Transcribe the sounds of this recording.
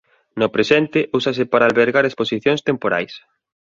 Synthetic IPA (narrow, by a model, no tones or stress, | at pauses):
nopɾesɛnt̪ɪʔusasɪpaɾaːlβeɾɣaɾesposiθjõŋst̪empoɾa̰js